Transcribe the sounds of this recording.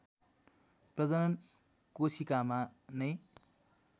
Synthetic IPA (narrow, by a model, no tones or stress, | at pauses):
prʌd͡zʌnʌn | kosikamanʌj